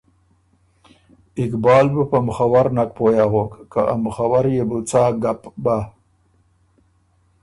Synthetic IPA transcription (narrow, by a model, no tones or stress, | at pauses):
ɪkbɑːlbəpamʊxawaɾnak̚pojaɣokːaʔa̰mxawaɾjebut͡saɡapba